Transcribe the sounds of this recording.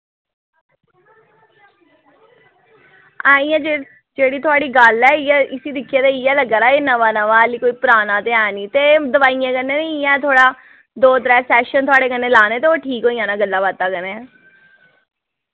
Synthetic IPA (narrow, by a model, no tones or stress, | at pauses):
ãːĩjãːd͡ʒeː | d͡ʒeːɽiːt̪ʰʊaːɽiːɡəlɛːɪɛɪsiːd̪ɪkʰːjeːd̪aːijɛːləɡaːɾaːeːnəʋaːnəʋaːəliːkoːiːpʊɾaːnãːt̪eːãːniːt̪eːd̪əʋaːijãːkəneːneɪjãːt̪ʰoːɽaː | d̪oːt̪ɾɛːsɛːʃənt̪ʰʊaːɽeːkənːeːlaːneːt̪eːoːʈʰiːkɦoːiːãːnaːɡəlːaːbaːt̪ːaːkəneɛː